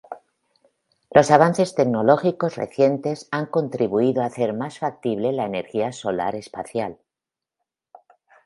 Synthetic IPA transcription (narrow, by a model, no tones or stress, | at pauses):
lʔo̞saβ̞anθe̞st̪e̞kno̞lo̞xiko̞zrḛθje̞nt̪e̞saŋko̞nt̪ɾiβuiðoaθe̞ɾmasfak̚t̪iβle̞laene̞ɾxiaso̞la̰ɾe̞spaθjal